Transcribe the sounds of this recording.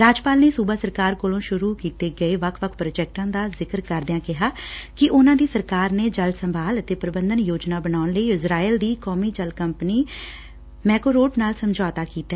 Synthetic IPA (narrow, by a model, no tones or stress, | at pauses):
ɾaːd͡ʒpaːlneːsuːbaːsəɾkaːɾkoːlõːʃʊɾuːkiːt̪eːɡəeːʋəkʰʋəkʰpɾoːd͡ʒɛːk̚ʈãːd̪aːzɪkəɾkəɾd̪ɪãːkɪɦaːkɪʔʊnãːd̪iːsəɾkaːɾneːd͡ʒəlsəmbʱaːlət̪eːpəɾəbənd̪ənjoːd͡ʒnaːbənaːʊnləiːɪzɾaːild̪iːkɔːmiːd͡ʒəlkəmpniː | mɛːkoːɾoːʈnaːlsəmd͡ʒaːt̪aːkiːt̪a